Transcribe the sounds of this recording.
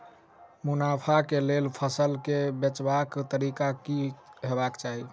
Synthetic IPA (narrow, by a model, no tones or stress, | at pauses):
munapʰakelelpʰəsəlkebet͡ʃbakt̪əɾikakiɦebakt͡ʃaɦi